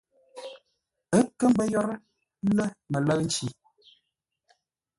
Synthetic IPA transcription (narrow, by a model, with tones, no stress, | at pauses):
ə˦kə˦m˦bə˦jɔ˦ɾə˦ | lə˦mə˨lə˦kn̩˦t͡ʃi˨